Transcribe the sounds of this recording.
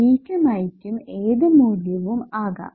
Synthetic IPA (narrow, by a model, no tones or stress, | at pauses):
iːkʲːɐmɐjikʲːumeːðɨmuːljɐʋumaːɣɐ̰